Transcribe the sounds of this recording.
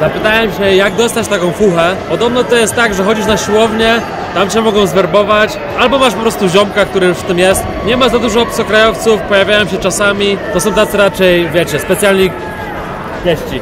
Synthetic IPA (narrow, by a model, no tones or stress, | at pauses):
zapɘt̪ajɛmɕɛjaɡd̪ɔst̪at͡ɕt̪akɔ̃w̃fuxɛpɔd̪ɔbnɔt̪ɔjɛst̪ːaɡʐɛxɔd͡ʑiʂ̬naɕiwɔvɲɛ | t̪amt͡ɕɛmɔɡɔ̃w̃zvɛɾbɔvat͡ɕ | albɔmaʂpɔpɾɔst̪uʑɔmkak̚t̪uɾɨjuʂft̪ɘmjɛst̪ | ɲɛmazad̪uʐɔpsɔkɾajɔft̪sufpɔjavʲjajɔ̃w̃ɕɛt͡ʂasamʲit̪ɔs̬ɔ̃w̃t̪at̪sɛɾat͡ʂɛjvʲjɛt͡ɕɛspɛt̪sjalɲi | vʲjɛɕt͡ɕi